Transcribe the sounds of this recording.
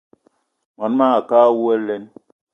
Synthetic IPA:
ŋɔ˨n˦ma˦a˨ka˦wu˦e˦le˦n

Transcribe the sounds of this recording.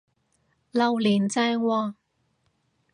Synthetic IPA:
lɐ˨wliː˨˩nt͡sɛː˧wɔː˧

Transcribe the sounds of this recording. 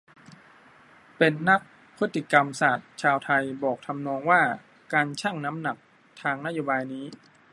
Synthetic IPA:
pe˧nːa˦˥k̚ | pʰɯ˦˥t̪ːi˧˩ka˧msaː˨˩t̪̚t͡ɕʰaː˧wt̪ʰa˧jbɔː˨˩k̚t̪ʰa˧mnɔː˧ŋwaː˥˩ | kaː˧nt͡ɕʰaː˥˩ŋna˦˥mna˨˩k̚ | t̪ʰaː˧ŋna˦˥joː˧baː˧jniː˦˥

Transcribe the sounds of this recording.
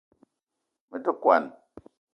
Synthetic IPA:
mə˦tə˦kwa̰˨n˨

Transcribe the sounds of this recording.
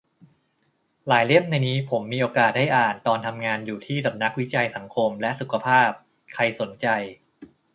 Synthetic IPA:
laː˩˦jle˥˩əmna˧jniː˦˥pʰo˩˦mːiː˧ʔoː˧kaː˨˩t̪̚da˥˩jʔaː˨˩nt̪ɔː˧nt̪ʰa˧mŋaː˧njuː˨˩t̪ʰiː˥˩sa˨˩˦p̚na˦˥k̚wi˦˥t͡ɕa˧jsa˩˦ŋkʰo˧mlɛ˦˥ʔsu˨˩kʰa˧pʰaː˥˩p̚ | kʰa˧jso˩˦nt͡ɕa˧j

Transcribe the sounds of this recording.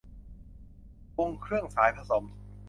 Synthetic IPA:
wo˧ŋkʰɾɯ˥˩əŋsaː˩˦jpʰa˧so˨˩˦m

